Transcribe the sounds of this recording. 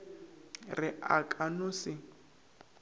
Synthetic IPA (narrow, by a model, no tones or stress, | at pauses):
rɪʔakʼanʊsɪ